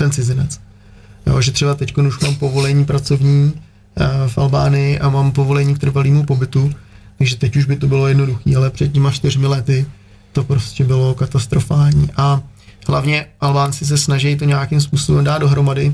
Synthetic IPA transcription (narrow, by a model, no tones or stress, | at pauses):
t̪ɛnt͡sɪzɪnɛt͡s | jo̰ʒɛt̪r̝̥ɛbat̪ɛcko̞nuʃmaːmpo̞vo̞lɛɲiːpɾat͡so̞vɲiː | fʔalbaːnɪjɪʔamaːmpo̞vo̞lɛɲiːkt̪rɾvaliːmupo̞bɪt̪ut̪aɡʒɛt̪ɛcuʒbɪt̪o̞bɪlo̞jɛdno̞duxḭːalɛpr̝̥ɛt̪̚cɛmat͡ʃt̪ɪr̝mɪlɛt̪ɪ | t̪o̞pɾo̞scʲɛbɪlo̞kat̪ast̪ɾo̞faːlɲiːʔahlavɲɛʔalbaːnt͡sɪs̬ɛsnaʒɛjt̪o̞ɲakɪmspuːsobɛmdaːd̪do̞ɦɾo̞madɪ